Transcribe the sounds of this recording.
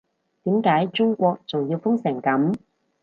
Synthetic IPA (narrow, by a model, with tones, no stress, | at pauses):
t̪iː˨˥mkaː˨˥jt͡ʃʊ˥ŋkʷɔː˧k̚t͡sʊ˨ŋjiː˧wfʊ˥ŋsɪ˨˩ŋkɐ˨˥m